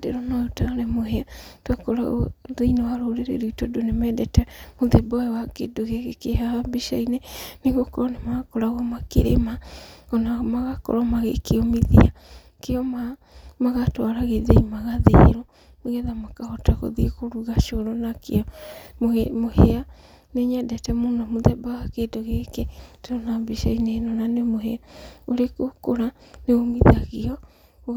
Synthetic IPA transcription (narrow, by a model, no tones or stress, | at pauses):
dḛɾonaotaɾɛmoɦeatwakɔɾa̰ðeinewaɾoɾeɾḛɾoitodonemɛdɛtɛmoðebɔɛwakedoɣeɣekeɦaabiʃa̰inɛneɣokɔɾɔnemakɔɾaɣɔmakḛɾḛmaɔnamaɣakɔ̰ɾɔmaɣḛkeɔmeðḭa | keɔma | maɣatwaɾaɣeðeimaɣaðḛɾo | meɣɛðamakahɔtaɣo̰ðiekoɾuɣaʃoɾɔnakḛɔ | mohea | neɲadɛtɛmonamoðɛbaɣakedoɣeketɔnabeʃainenɔnanemoɦeaoɾekokoɾaneɣomiðaɣiɔ